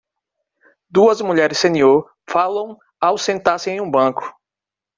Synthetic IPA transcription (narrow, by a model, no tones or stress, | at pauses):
d̪uɐzmuʎɛɾɪsːẽnioɾ | falɐ̃w̃ | awsẽnt̪aɾsɪẽj̃ũbɐ̃kʊ̥